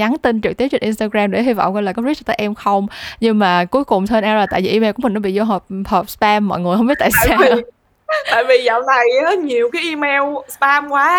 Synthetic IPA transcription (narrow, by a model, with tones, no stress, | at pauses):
ɲa˨˦nt̪i˧nt͡ɕɨ˨˩k̚t̪i˨˦wt͡ɕï̟˨˩ʔi˧nst̪aː˧ɣɾaː˧mɗe˧˩ɦi˧vɔ̰˧˨wŋ͡mkə˧jlaː˨˩kɔ˨˦ɾi˦˥t̚t̪əː˨˦jʔɛ˧mxə˧wŋ͡mɲɨ˧ŋmaː˨˩ku˨˦əjkʊ˨˩ŋ͡mt̪ʰə˧nʔaː˧əː˨˩t̪a̰ː˧˨jvḭ˧˨ʔi˧mɛ˧wkmï̟˨˩nɔ˨˦ɓḭ˧˨zɔ˧ɦəː˨˩p̚həː˨˩p̚spaː˧mːɔ̰˧˨jŋɨ˨˩əjhə˧wŋ͡mɓi˦˥t̪̚a̰ː˧˨sːaː˧˨ | t̪a̰ː˧˨jvi˨˩za̰˧˨wla˨˩jɔ˨˦ɲi˨˩əwkaː˨˦jʔi˧mɛ˧wspaː˧mkwaː˨˦